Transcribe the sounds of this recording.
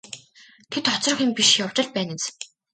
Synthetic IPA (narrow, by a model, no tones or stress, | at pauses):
t̪ʰet̪χɔt͡srə̆xĭmpiʃjaw̥t͡ɕɪ̆ɮ̚pæːnĕt͡s